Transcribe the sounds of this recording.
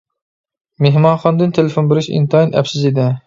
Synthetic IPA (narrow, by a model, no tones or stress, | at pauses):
meɦmɑnχɑnd̪ɨnt̪ʰelefonbeɾɪʃḭnt̪ʰɑinæ̰psɪzed̪ɪ